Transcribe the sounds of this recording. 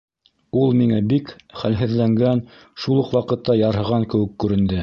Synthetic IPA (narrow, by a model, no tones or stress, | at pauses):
ulˠmiŋæbikχælɦɘ̆ðlæŋɡæn | ʃulˠuqwɑqɤ̆t̪ːɑjɑɾɦɤ̆ʁɑŋkɘ̆wɘ̆kːʉɾɘ̆nd̪ɘ